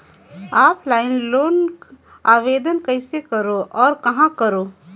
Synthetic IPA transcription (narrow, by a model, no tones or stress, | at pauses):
aːplaːɪnloːn | aːʋeːd̪ənkəɪsekəɾoʔɔːɾkɐɦãkəɾoː